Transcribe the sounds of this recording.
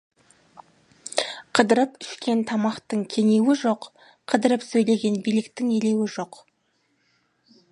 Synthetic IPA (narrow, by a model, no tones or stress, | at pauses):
qʰəd̪əɾəpʏʃkʲe̞nt̪ʰɑmɑqt̪əɴkʲʰe̞ŋe̞wɪʒo̞q | qʰəd̪əɾəpsɵjle̞ɡʲe̞nbijlɪkt̪ɪŋe̞le̞wɪʒo̞q